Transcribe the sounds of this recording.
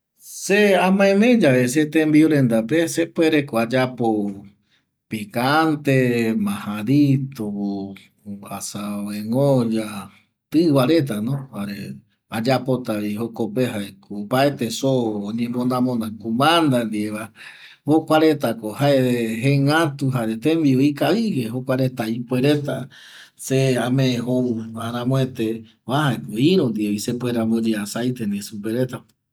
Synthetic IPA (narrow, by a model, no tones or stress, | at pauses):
seamãẽmẽd͡ʒaβes̬et̪ẽmbiuɾend̪apesepweɾekoad͡ʒapo | pikant̪emãhãɾit̪oo | asawẽŋod͡ʒa | t̪ɨwaɾet̪̬anõhaɾe | ad͡ʒapot̪aβihokopeɦaekupaet̪esoːɲẽmbõnãmõnãkumãnd̪and̪ieβa | bokʷaɾet̪akohaeeɦẽŋãt̪uɦaɾet̪ẽmbiikaβiɡeɦokʷaɾet̪ajpweɾet̪a | seamẽẽhouaɾ̃ãmõet̪e | waɦaekuiɾond̪ieβisepweɾambod͡ʒeasajt̪ẽnẽsupeɾet̪a